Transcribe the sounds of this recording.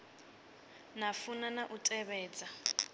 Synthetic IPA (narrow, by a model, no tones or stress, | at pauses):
nafunanaʔutʼɛβɛːd͡za